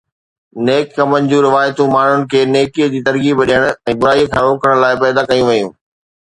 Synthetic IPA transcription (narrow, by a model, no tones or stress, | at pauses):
neːkːɐmənɪd͡ʑũɾɪʋaːjt̪ũmaːɳ̤ʊnɪ̆kʰeːneːkiəd͡ʑiːt̪ɐɾɡibɐɗiəɽ̃ʊɛ̃ːbʊɾaːijkʰãːɾoːkəɽ̃laːɪpɛːd̪akɐjũʋɐjũː